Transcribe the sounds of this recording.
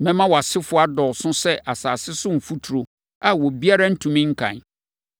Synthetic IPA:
mɛ̃˦mã˦wɔ˨a˨sɪ˦fʊ˦a˦dɔ˨sʊ̃˦sɛ˦ʔʔa˨saː˨sɪ˦sʊ̃˦m̩˨fu˦tʰu˨ɾo˨ | a˨wɔ˨bi˦a˦ɾa˦n̩˦tʰũ˨mĩ˦ŋ̩˦kʰã̰˨n

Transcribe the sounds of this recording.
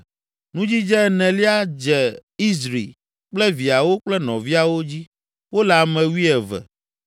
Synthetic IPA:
nũ˦d͡ʑi˦d͡ʒɛ˦nɛ̃˨li˦a˦d͡ʒɛ˨i˦zɾḭ˨ | k͡plɛ˦vi˨a˨wo˦k͡plɛ˦nɔ̃˨vi˦a˨wo˦d͡ʑi˦ | wo˦la˨mɛ̃˨wi˦ɛ˨vɛ̰˨

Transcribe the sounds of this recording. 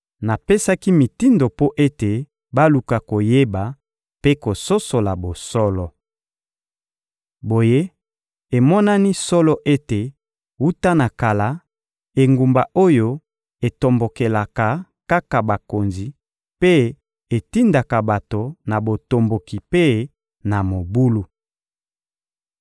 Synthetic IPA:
na˨pe˦sa˦ki˦mi˨ti˦ndo˨po˦ʔe˦te˨ | ba˦lu˨ka˨ko˨je˦ba˨ | pe˦ko˨so˦so˨la˨bo˨sɔ˦lɔ˨ | bo˨je˦ | e˨mɔ˦na˦ni˦sɔ˦lɔ˦ʔe˦te˨ | wu˦ta˦na˨ka˨la˨˦ | e˨ŋɡu˨mba˨ʔo˦jo˦ | e˨to˨mbo˨ke˨la˨ka˨ | ka˦ka˨ba˨ko˨nzi˨ | pe˦ | e˨ti˦nda˨ka˨ba˨to˨na˨bo˨to˨mbo˨ki˨pe˦ | na˨mo˨bu˦lu˦

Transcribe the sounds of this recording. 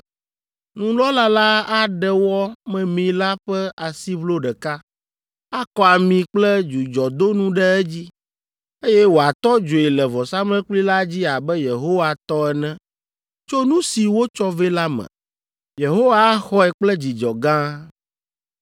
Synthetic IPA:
nũ˨lɔ˦la˦la˦a˦ɖɛ˨wɔ˦mɛ̃˨mĩ˨la˦ɸɛ˦a˨si˦vlo˦ɖɛ˨ka˦ | a˦kɔ˦a˨mĩ˨k͡plɛ˦d͡ʒu˨d͡ʒɔ˨d̪o˦nũ˦ɖɛ˦ɛ˦d͡ʑi˦ | e˦jɛ˦wo˨a˨t̪ɔ˦d͡ʒo˨i˨lɛ˨vɔ˨sa˦mɛ̃˦k͡pli˦la˦d͡ʑi˦a˨bɛ˦je˨ɦo˦wa˨t̪ɔ˦ɛ˨nɛ̃˦ | t͡ʃo˦nũ˦si˨wo˦t͡ʃɔ˦vɛ˦la˦mɛ̰̃˨ | je˨ɦo˦wa˦xɔ˦ɛ˨k͡plɛ˦d͡ʑi˨d͡ʒɔ˨ɡã˦

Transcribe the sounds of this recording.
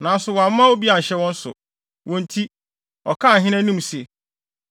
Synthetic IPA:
nã˨n˦sʊ˨wɔ˨a˨m˦mã˦wo˦bi˦a˨n̩˨ɕɛ˦wɔ̃˦n̩˦sʊ̰˨ | wʔɔ̃˨ntʰi˦ | ɔ˨kʰã˦˨ɦɪ̃˦næ̃˦nĩ˦mse˨

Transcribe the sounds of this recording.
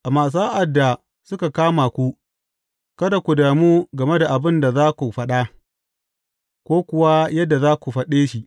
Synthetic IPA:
ʔa˨maː˨s̬ʔa˨dːa˨ | sʊ˦ka˨kaː˦ma˨kʷu˦ | kɐ˦da˨kʷu˨daː˨muː˦ɡɐ˨me˦da˨ʔa˨bɪ˦nda˨zaː˦kʷu˨ɸɐ˦ɗa˦ | kʷoː˦kʷʊ˨wa˦jɐ˦dːa˨zaː˦kʷu˨ɸɐ˦ɗeː˦ʃi˨ʔ

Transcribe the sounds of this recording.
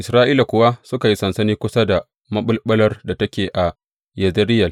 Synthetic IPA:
ʔɪ˨sɾaː˦ʔiː˦la˨kʷʊ˦wa˦sʊ˦ka˨ji˦sɐ˨nsɐ˦niː˦kʷʊ˦sa˦da˨ | mɐ˦ɓʊ˦lɓɐ˦lɐ˦rda˨tɐ˦kʲeː˨ʔa˨ | jɐ˨zɐ˦ɾɪ˦jɐ˨

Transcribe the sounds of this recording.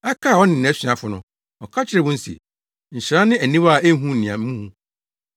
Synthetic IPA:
ɛ˦kʰa˦˨ɔ˦nɪ̃˨ñ˨ɛ˦ɕᶣɥã˨fʊ˨nʊ̃˨ | ɔ˨kʰa˦t͡ɕʰɪ˦ɾɛ˨wʊ̃˦n̩˦sḛ˨ | ɲ̩˨ɕɪ˨ɾã˦nɪ̃˦æ˨nĩ˦wa˦˨ʔe˦ɦũ˦˨nĩ˨ã̰˨m̩˦mũ˦hũ˦

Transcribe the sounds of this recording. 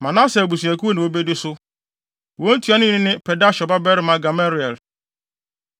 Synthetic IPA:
mã˨nã˦sɛ˨æ˨bu˨s̬u˨æ˨ku˦o˦nɪ̃˨wo˦be˦dɪ˦sʊ˦ | wõ˦n̩˦tʰu˨˦a˦nɪ̃˦ɪ̃˦nɪ̃˦pʰɛ˨da˦ɕɔ˨ba˦bɛ˦ɾɪ˨˦mã˦ɡa˨ma˦ɾi˨ɛ˨l

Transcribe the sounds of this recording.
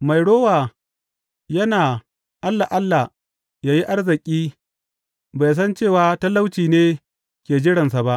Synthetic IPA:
ma˨jɽoː˦waː˨ | jɐ˦naː˨ | ʔa˦lːa˨ʔa˦lːa˨ | jaː˦ji˦ʔa˦rzɪ˨kʲʼiː˦ | ba˨js̬ɐ˦nt͡ʃeː˦˨waː˨˦tɐ˦lːa˦wt͡ʃiː˨neː˦ | kʲeː˨d͡ʒɪ˦ɽɐ˨nsa˨ba˦ʔ

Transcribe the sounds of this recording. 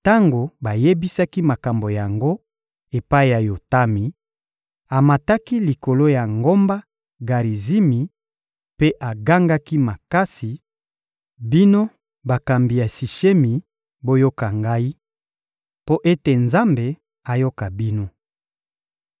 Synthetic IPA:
ta˦ŋɡo˨ba˨je˦bi˦sa˦ki˦ma˨ka˨mbo˨ja˨ŋɡo˦ | e˨pa˦i˦ja˨jo˨ta˦mi˨ | a˨ma˨ta˦ki˦li˨ko˨lo˦ja˨ŋɡo˦mba˦ | ɡa˨ʁi˨zi˦mi˨ | pe˦ʔa˨ɡa˦ŋɡa˦ki˦ma˨ka˦si˨ | bi˦no˦ | ba˨ka˨mbi˨ja˨si˨ʃe˦mi˨ | bo˦jo˦ka˨ŋɡa˦i˦ | po˦ʔe˦te˨nza˦mbe˨ | a˨jo˦ka˨bi˦no˦

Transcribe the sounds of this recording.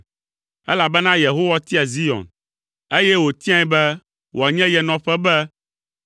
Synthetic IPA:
ɛ˦la˨bɛ˦nã˦je˨ɦo˦wa˦t̪i˦a˨zi˦jɔ̰˨n | e˦jɛ˦wo˨t̪i˦ã˨˦bɛ˦ | wʔa˨ɲɛ̃˦jɛ˨nɔ̃˨ɸɛ˦bɛ˦

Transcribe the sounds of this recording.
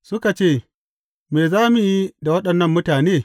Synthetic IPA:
sʊ˦ka˨t͡ʃeː˦˨ | meː˨zaː˦mu˨ji˦da˨wɐ˦ɗɐ˨nːɐ˦mːʊ˦taː˨neː˦˨

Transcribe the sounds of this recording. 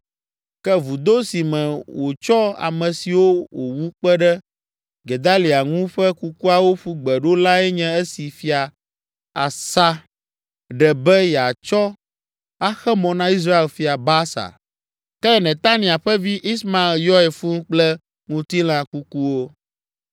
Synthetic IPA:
kɛ˦vu˨d̪o˦si˨mɛ̃˨wo˨t͡ʃɔ˦a̰˨mɛ̃˨si˨wo˦wo˨wu˦k͡pɛ˦ɖɛ˦ | ɡe˨d̪a˦li˨a˨ŋũ˦ɸɛ˦ku˦ku˦a˨wo˦ɸu˦ɡ͡bɛ˨ɖo˦la˦ɛ˦ɲɛ̃˦ɛ˦si˨fi˦a˨ | a˨sa˦ | ɖɛ˨bɛ˦ja˨t͡ʃɔ˦ | a˦xɛ˦mɔ̃˨nã˦i˦s̬ɾa˦e˨lfi˦a˨ba˦sa̰˨ | kɛ˦nɛ̃˨t̪a˦nĩ˨a˨ɸɛ˦vi˦ʔi˦smã˨e˨ljɔ˦ɛ˨fu˦ŋ˦k͡plɛ˦ | ŋũ˦t̪i˦l̃ã˨ku˦ku˦wo˦

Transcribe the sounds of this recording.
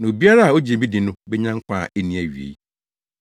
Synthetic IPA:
nã˨o˨bi˦a˦ɾa˦a˨o˦d͡ʑi˨e˨bi˦dɪ̃˨nʊ̃˦bɛ˦ɲã˦ŋ˦kʷʰã˦˨ʔe˦nĩ˦æ˨ɥḭ˨ḛ˨ji˦˨

